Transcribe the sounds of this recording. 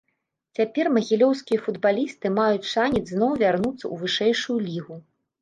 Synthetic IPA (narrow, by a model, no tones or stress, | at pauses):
t͡sʲapʲɛrmɐɣʲilʲɔwskʲijɐfud̪balʲist̪ɨmajut͡sʲt͡ʂanʲid͡zʲznɔwvʲarnut̪sːɐ̰ʔuvɨʂɛjʂujulʲiɣu